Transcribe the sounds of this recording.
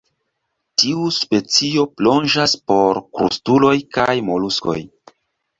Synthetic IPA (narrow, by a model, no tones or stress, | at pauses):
tiuspe̞t͡sio̞plo̞nd͡ʒaspo̞ɾkɾṵstulo̞jkajmo̞lusko̞̰j